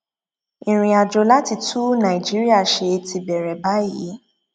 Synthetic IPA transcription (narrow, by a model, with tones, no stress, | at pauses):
ĩ˨ɾ̃ĩ˧a˨d͡ʒo˧la˦ti˧˦tʰu˦nã˨i˨d͡ʒi˦ɾi˦a˦˨ʃe˧ti˧bɛ˨ɾɛ˨ba˨˦ji˨˦